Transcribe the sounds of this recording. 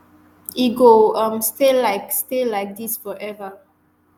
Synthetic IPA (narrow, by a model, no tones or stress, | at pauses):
iɡoãmstelaɪkstelaɪk̚disfɔʔɛvə